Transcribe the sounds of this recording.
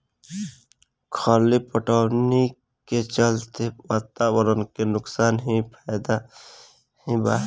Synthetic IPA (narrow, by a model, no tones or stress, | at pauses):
kʰaːlipəʈaːwni | ket͡ʃəlt̪ewaːt̪awəɾənkenʊksaːnɦĩpʰajd̪a | hĩba